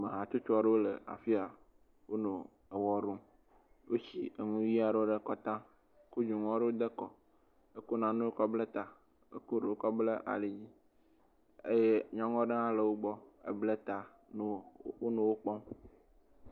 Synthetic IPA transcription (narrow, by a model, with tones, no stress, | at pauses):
me˨ɦã˨t͡ʃu˦t͡ʃa˨ɖe˦wo˦le˨a̰˨fi˦a˨ | wo˦nõ˨ | e˨wɔ˦ɾũ˦ | wo˦t͡ɕi˨e˨ŋũ˦ji˦a˨ɖe˦wo˦ɖe˦kɔ˦t̪ã˦ | ku˦d͡ʒu˨ŋɔ̃˦ɖe˦wo˦d̪e˦kɔ˨ | e˦ko˦nã˨nũ˦wo˦kɔ˦ble˦t̪a˨ | ḛ˦ku˦ɖe˨wo˦kɔ˦ble˦ʔa̰˨le˨d͡ʑi˦ | ḛ˦je˦ɲɔ̃˦ŋɔ̃˦ɖe˦ã˦le˨wo˦ɡ͡bɔ˦ḛ˨ble˦t̪a˨ | n˦o˦nõ˦wo˦k͡pɔ˦m